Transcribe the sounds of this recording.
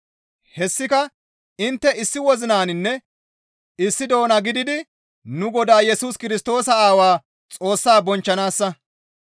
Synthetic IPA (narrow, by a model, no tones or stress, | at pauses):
hɛsːɪkɐ | ɪnt̪ːɛɪsːɪwɔzɪnaːnɪnːɛ | ɪsːɪd̪o̞ːnɐɡɪd̪ɪd̪ɪ | nʊɡɔd̪aːjɛsuskɪɾɪs̬t̪o̞ːsɐaːwaː | t͡sʼo̞ːsːaːbɔnt͡ʃːɐnaːsːɐ